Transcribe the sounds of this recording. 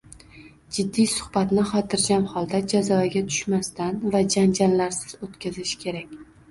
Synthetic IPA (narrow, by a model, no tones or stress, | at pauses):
d͡ʒɪd̪ːijsʊ̥χbat̪nɪχɒt̪ʰɪɾɡʲamχɒlˠd̪ad͡ʒazɒaɡʲat̪ʰʊ̥ʃmast̪anvad͡ʒand͡ʒanlaɾsɪz̥ot̪kʲʰazɪʃkʲʰe̞ɾakʲ